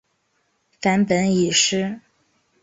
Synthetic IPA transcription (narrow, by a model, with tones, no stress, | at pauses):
fa˧˥npə˧˥ni˨˩ʂɻ̩˥